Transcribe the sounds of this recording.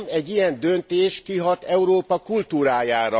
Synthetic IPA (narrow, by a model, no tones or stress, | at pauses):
mɛɟːijɛnd̪ø̞nt̪eːʃkiɦɒt̪ɛuɾoːpɒkult̪uːɾaːjaːɾɒ